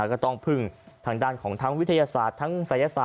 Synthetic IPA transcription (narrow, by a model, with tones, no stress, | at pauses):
ka˧˩t̪ɔː˧ŋpʰɯ˨˩ŋt̪ʰaː˧˩ŋdaː˧˩nkʰɔː˩˦ŋt̪ʰaː˦˥ŋwi˦˥t̪ʰa˧jaː˧saː˨˩t̪ʰːaː˦˥ŋsa˨˩˦ja˧saː˨